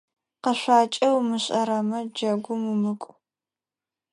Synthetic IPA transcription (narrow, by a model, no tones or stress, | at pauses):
qəɕʷaːt͡ʃʼɐwmɨɕʼɐɾɐmɐd͡ʒɐɡʷʊmumɨkʷʼ